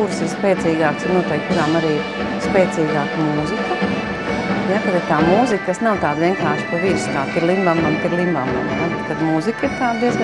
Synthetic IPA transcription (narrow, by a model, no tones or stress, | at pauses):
kuɾsiɾspɛːtsiːɡaːksɪɾnuɔt̪ɛjkkuɾaːmaɾiː | spɛːt̪siːɡaːkmuːzikə | jakad̪ɪɾt̪aːmuːzikkasnawt̪aːd̪ʋʲiɛŋkaːɾʃpaʋiːɾskaːt̪iɾlˠimbamamt̪iɾlˠimbama̰mnab̪kad̪muːzikiɾt̪aːd̪d̪iɛz